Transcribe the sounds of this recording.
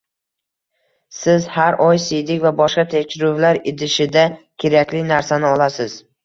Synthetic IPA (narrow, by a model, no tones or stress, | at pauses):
sɪzhaɾʔɒjsijd̪ɪkʲvabɒʃqɑt̪ʰekʲʃɪɾʊvlaɾɪd̪ɪʃɪd̪akʲʰe̞ɾakʲlɪnaɾsanɪɒlasɪz̥